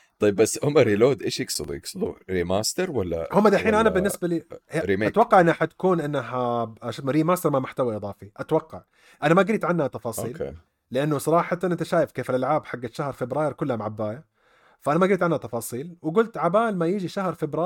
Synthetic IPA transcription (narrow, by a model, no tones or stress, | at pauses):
t̪ˤɑjːɪbːasːhʊmːaɾiloːd̪ʔeːʃjɪɡsɨ̰lujɪ̰ɡsɨlṵɾimaːst̪ɪɾwalːa̰hʊmːad̪aʔħiːnʔanabɪnːɪsbaliɾimeat̪wɑqːɑʕʔɪnːaħat̪ḁkuːnʔɪnːɦaaʃat̪maɾiːmaːst̪ɑɾˤmamʊħt̪awaʔɨðˤɑːfiʔat̪wɑqːɑʕ | ʔanamaɡɾiːt̪ʕanːhat̪ɑfɑːsˤiːlḛː | ɪʔanːʊsˤɑɾˤɑːħɑnʔɪnt̪aʃaːjɪfkeːfɪlʔalʕaːbħaɡːaʃahɾˤfɪbɾɑːjɪɾkʊlːhamaʕabːaːja | faʔanamaɡɾiːt̪ʕanhat̪ɑfɑːsˤiːlwɪɡʊlt̪ʕabaːlmajiːd͡ʒiʃahɾˤfɪbɾaː